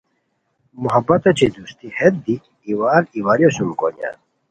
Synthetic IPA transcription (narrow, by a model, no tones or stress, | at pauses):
muɦɐbːɐt̪ɐt͡ɕʰid̪ust̪ihet̪̚d̪iː | waːɾiwaːɾjoɕumko̰nja̰